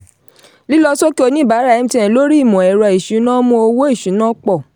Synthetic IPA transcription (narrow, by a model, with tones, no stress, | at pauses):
li˦lɔ˦sɔ˦ki˦o˧nĩ˦˨ba˨˦ɾa˦˨ɛ˨˦m̩˦tɛ̃˧˨lo˦ɾi˦i˦˨mɔ̃˨ɛ˨ɾɔ˧i˨ʃu˨˦nã˦mɔ̃˧o˧wo˦i˦˨ʃu˨˦nã˦k͡pɔ˦˨